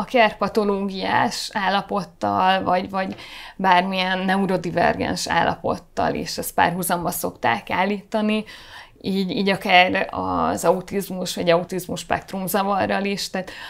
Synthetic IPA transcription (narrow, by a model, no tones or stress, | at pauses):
ɒkɛrpɒt̪o̞loːɡijaːʃaːlːɒpo̞t̪ːɒlvɒɟvɒɟbaːrmijɛnːɛuɾo̞d̪ivɛ̰rɡɛ̰nʃa̰ːlːʔɒ̰po̞̰t̪ːɒ̰lḭːʃɛst̪̚pa̰ːrɦuzɒmbɒso̞kt̪aːkaːlːiːt̪ːɒni | iːɟiːɟɒkaːrɒ̰zɒut̪izmuʃʋɒɟɒut̪izmuʃpɛ̰k̚t̪rumzɒvɒrːɒliʃt̪aːt̪